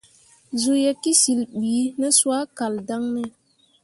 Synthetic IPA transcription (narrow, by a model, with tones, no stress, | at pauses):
zu˨je˨ki˦si˨lɓiː˨˦nɛ˦swa˦ka˨lda˦ŋnɛ˦